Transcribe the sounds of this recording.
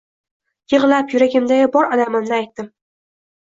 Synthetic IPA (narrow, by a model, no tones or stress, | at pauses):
jɨʁlˠapjʊɾaɡʲɪmd̪ajabɒɾɒlamɪmnɪajt̪ːɪm